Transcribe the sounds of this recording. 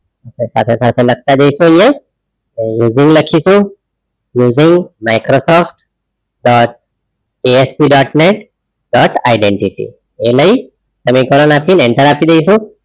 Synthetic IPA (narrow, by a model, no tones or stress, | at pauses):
tesa̰t̪ʰesat̪ʰelək̚ʰt̪ad͡ʒejsũəjẽ | ejuziŋɡləkʰisũ | juːziŋɡmajkɾosɔfʈ | ɖɔʈ̚ | eespiɖɔʈneʈ | ɖɔʈajɖeɳʈiʈḭ | eləi | t̪əmĩkɔlənapinɛɳʈəɾapid̪ejsũ